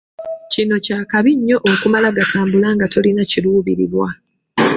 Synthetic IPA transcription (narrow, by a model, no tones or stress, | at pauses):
cino̞caːkaβiɲːo̞ʔokumalaɡatʰaːmbulaŋɡato̞linaciluːβiɾḭβwa